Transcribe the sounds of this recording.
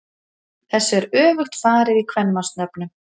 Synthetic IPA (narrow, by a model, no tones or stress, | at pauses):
θɛsːɛɾœːvʏxt̪faːɾɪɾikʰvɛnmast̪nœpnʏ